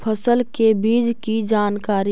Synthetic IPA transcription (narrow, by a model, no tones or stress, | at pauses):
pʰəsəlkebiːd͡ʒkid͡ʒaːnkaːɾi